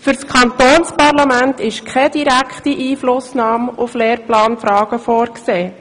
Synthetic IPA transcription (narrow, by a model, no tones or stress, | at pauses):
fʏɾskʰɑnt̪oːnspɑrlɑmæntɪʃkʰɛd̥iɾækχtiʔiːflʊsnɑːmufleːɾplɑːnfɾɑːɡ̥əfoːɾkseː